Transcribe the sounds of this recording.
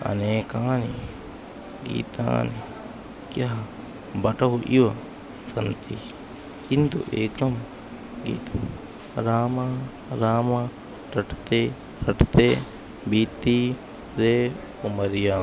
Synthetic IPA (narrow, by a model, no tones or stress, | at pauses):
ɐ̰neːkaːni | ɡḭːt̪a̰ːni | kjaɦ | bɐʈɐɦuʔiʋɐ | sɐnt̪i | kint̪ṵʔeːkɐm | ɡḭːt̪ʰɐm | ɾaːmaː | ɾaːmaː | ɾɐʈt̪eː | ɾɐʈt̪eː | biːt̪i | ɾeː | umɐɾijaː